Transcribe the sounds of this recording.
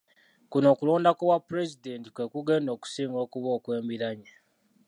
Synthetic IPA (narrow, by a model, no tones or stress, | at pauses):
kuno̞ːkulo̞ːndakowapːuɾe̞zide̞nti̥kwe̞kuɡe̞ːndo̞ːku̥siːŋɡo̞ːkuβo̞ːkwe̞ːmbiɾaɲe